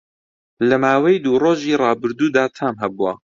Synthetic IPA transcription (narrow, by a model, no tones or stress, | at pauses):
lɐmaːwɐjd̪uːroːʒiːrˤɑːbɨɾd̪uːd̪aːt̪ʰaːmɦɛbua